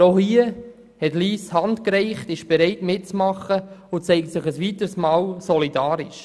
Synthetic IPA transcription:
ohiə | hɛtliːshɑntkɾɛɪχtɪʃb̥ɛɾɛɪtmɪt̚t͡smɑχəʊt͡sɛɪk̚tsɪχəsʋitəɾsmɑːlsɔlidɑːɾɪʃ

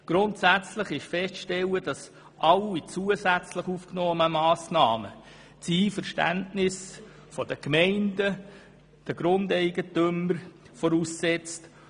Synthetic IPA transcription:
ɡ̥ɾʊntsæt͡sləχɪʃfɛstʃtɛləd̥ɑs | ʔɑlit͡suəsæt͡sləχufknɔːnəmɑːsnɑːmə̰ | t͡siːfəɾʃtæ̰ntnɪs | fɔd̥əkmɛɪndə | d̥əɡ̥ɾʊndɛɪɡ̥ətʏməɾ | fɔɾussɛt͡st

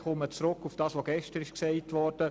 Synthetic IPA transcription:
χɔmət͡sɾʊkːufd̥ɑːsʋoɡɛʃtəɾɪʃksɛɪtʋɔɾd̥ə

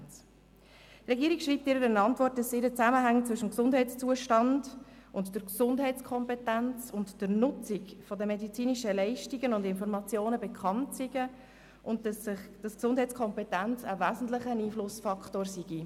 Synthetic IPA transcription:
trɛɡiəɾikʃriːp̚tɪɾəɾənɑntvɔrt̚d̥ɑsɪɾət͡sæməɦæŋt͡svʏʃəmksʊndɦɛɪt͡st͡suəʃtɑndʔʊntd̥əɾksʊndɦɛɪt͡skʰɔmpetænt͡sʊntd̥əɾnʊt͡sɪkfɔdəmedit͡siːniʃəlɛɪʃtiɡənʊndɪnfɔɾmɑt͡sjoːnəbekʰχɑntsiɡ̥ə | ʔʊntdsɪχd̥ɑsksʊnd̥ɦɛɪt͡skʰɔmpetænt͡səvæːzn̩tləχəniːflʊsfɑkʰtoːɾsiɡ̥i

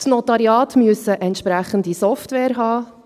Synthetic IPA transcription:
tnɔt̪ɑɾjɑːtmyəsəʔɛntʃpɾæχəndisɔftʋɛːɾɦɑː

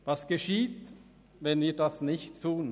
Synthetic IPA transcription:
vɑsɡ̥eʃiːt | vɛnviːdasnɪçtʰːuːn

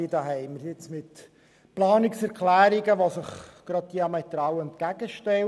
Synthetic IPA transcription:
idɑːɦɛɪməɾɪt͡smɪt | plɑːnɪksɛɾklæːɾɪɡəʋosəχɡ̥ɾɑd̚d̥iɑmɛt̪ɾɑwɛnt̪̚kæɡ̥əʃtɛ

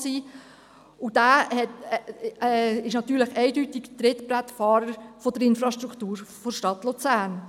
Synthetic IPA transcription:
siː | ud̥æːhɛt | ɛɪʃnɑt̪yːɾləχɛɪdytɪɡt̪ɾɪtbɾætfɑːɾəɾfɔd̥əɾɪnfɾɑʃtɾukʰtuːɾfoʃtɑt̪lut͡sæːɾn

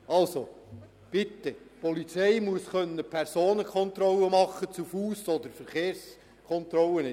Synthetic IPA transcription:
ɑlso | b̥ɪt̪ːɛpɔlit͡seɪmuəsχœnːəpʰæɾsoːnəkʰɔnt̪ɾɔlːəmɑχːət͡sufuːsɔd̪əɾfəɾχeːɾs | kʰɔnt̪ɾɔlənɪ

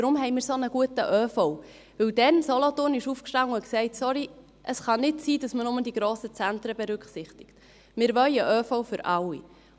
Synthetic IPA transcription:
ɾʊmɦɛɪmɪːɾsonəɡ̥uətəʔœːfɔʊ | ʋɵwdɛnsɔlɔtʊːnɪʃuːfkʃtɑŋəʊksɛɪtsɔɾi | ʔəsχɑnɪtsiːdɑsmənʊməd̥iɡɾoːsət͡sænt̪ɾəbɛɾʏkχsɪχt̪ɪ̥kt | mɪːɾʋœjəʔœːfɔwfʏɾʔɑwːḭ

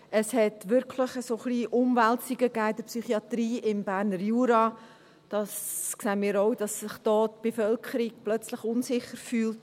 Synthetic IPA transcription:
əshɛtʋʏɾkʰləχəsoχliːʔʊmvæltsiɡəɡæːɪd̥əɾpsyχiɑt̪ɾiːʔɪmbæːɾnəɾjuːɾɑ | d̥ɑsksɛːnmiːɾoʊd̥ɑsːɪχd̥ɔːtb̥efœlkʰəɾiɡ̥̚plœt͡sləχʊnsɪχəɾfyːlt

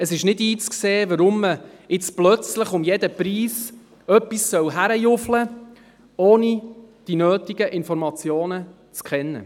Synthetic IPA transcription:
əsɪʃnɪdiːt͡skseːʋəɾʊmːəɪt͡splœt͡sləχʊmjɛd̪əpɾiːs | œpːissœwɦæɾəjʊflə | oːnid̥inøːtiɡəʔɪnfɔɾmɑt͡sjoːnə | t͡skχɛnːə̰

